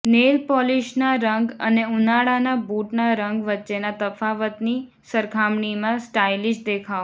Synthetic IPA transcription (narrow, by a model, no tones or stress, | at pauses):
nelpɔliʃnaɾəŋɡə̰neunaɽanabuʈnaɾəŋɡʋətːʃenat̪əfaʋət̪ni | səɾkʰamɳimãsʈajlid͡ʒd̪ekʰaʋ